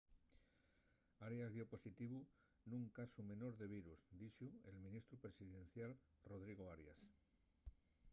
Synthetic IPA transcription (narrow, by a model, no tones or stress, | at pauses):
aɾjazðjopo̞sit̪iβu | nũŋkasume̞no̞ɾðe̞β̞iɾusd̪iʃue̞lmĩnist̪ɾupɾe̞siðẽ̞nθjal | roð̞ɾiɣ̞oaɾja̰s